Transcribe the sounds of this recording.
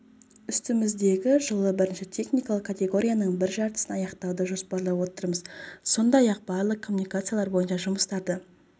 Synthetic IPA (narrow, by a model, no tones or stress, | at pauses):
ʏst̪ɪmɪzd̪e̞ɡʲɪʒəlˠəbɪɾɪnʃɪt̪ʲʰe̞χnʲijkɑlˠəqkʰːat̪ʲe̞ɡo̞ɾʲijanəɴbɪɾʒɑɾt̪ə̥sənɑjɑqt̪ɑwd̪əʒo̞spɑɾlˠɑwo̞t̪əɾməzso̞nd̪ɑjɑq̚bɑɾlˠəq̚kʰːo̞mːunijkat̪sɨjalˠɑɾbo̞jənʃɑʒʊməst̪ɑɾd̪ə